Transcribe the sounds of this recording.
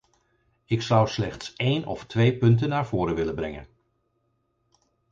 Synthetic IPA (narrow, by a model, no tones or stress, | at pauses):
ɪksʌwslɛχtsejnɔ̰ftʋejpɵnt̬ənːaːɹv̥ʊːɾəʋɪləbrɛŋə̰n